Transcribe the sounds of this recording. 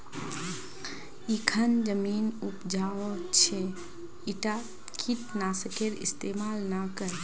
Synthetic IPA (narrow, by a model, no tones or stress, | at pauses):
ikʰənd͡ʒəmiːnupd͡ʒaːʋot͡ʃʰe | iʈa | kʰiʈnaːsəkʰeɾḭst̪eːmaːlnakəɾ